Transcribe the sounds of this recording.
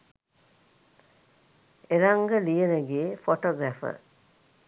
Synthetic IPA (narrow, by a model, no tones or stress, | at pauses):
eɾaŋɡəlijənəɡeːfoʈoɡɾæfə̰